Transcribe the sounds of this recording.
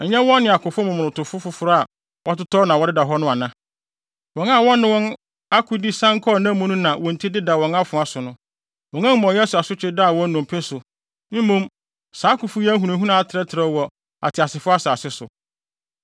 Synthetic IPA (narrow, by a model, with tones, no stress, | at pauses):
ɛ˨ɲɛ̃˦wɔ̃˦n˦nɪ̃˨a˨kʰʊ˨fʊ˦mʊ̃˨mʊ̃˨ʊ̃˨tʰʊ˨fʊ˦fʊ˦fʊ˨ɾa˨ | wʔɔ˦tʊ˦tʰɔ˦nã˨wɔ˦dɪ˦da˨ɦɔ˦nʊ̃˦a˨nã˦ | wɔ̃˨na˦˨wɔ̃˦nːɪ̃˦wɔ̃˦n | a˦kʰʊ˦di˦sã˦ŋ˦kʰɔ˦˨nã˦mũ˦nʊ̃˦nã˨wɔ̃˨n̩˨tʰi˦dɪ˦da˨wɔ̃˨ŋa˦fʊ˨a˨sʊ˨nʊ̃˦ | wɔ̃˨ŋã˦mɔ̃˨jɛ˦sʊ˨a˨sʊ˦t͡ɕʰᶣɪ˦da˦˨wɔ̃˦nːʊ̃˨m˨pʰɪ˦sʊ˨ | m̩˦mũ˦m | saː˨˦kʊ˨fʊ˦jɛ˦ɦu˨nã˨ɦũ˦nã˦a˨tʰɪ˨ɾɛ˦tʰɪ˨ɾɛ˦wɔ˨ | a̰˨tʰɪ˨a˨sɪ˨fʊ˦a˦saː˨sɪ˦sʊ̰˨